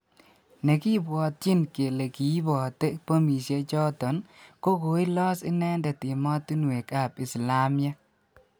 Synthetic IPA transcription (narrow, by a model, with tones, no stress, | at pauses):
ne˨ki˦bwɔ˨t̚t͡ʃi˦nke˨le˨ki˨i˦bɔ˨te˦po˦mi˨sje˦t͡ʃɔ˦tɔ˨nko˦ko˨i˦lɔ˦sɪ˦nɛ˦ndɛ˨tɪ˨mɔ˦tu˦nwe˨ka˨pi˨sla˦mja˦